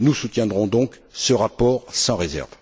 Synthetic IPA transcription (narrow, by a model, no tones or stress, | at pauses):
nusut̪jɛ̃d̪ʁɔ̃d̪ɔ̃k | səʁapɔʁsɑ̃ʁezɛ̰ʁv